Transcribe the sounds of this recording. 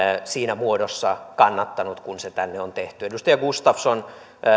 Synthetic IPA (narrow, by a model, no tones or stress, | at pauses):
siːnæmuodosːɑkɑnːɑt̪ːɑnut̪kunset̪ænːeont̪eht̪yedust̪ɑjɑɡust̪ɑfson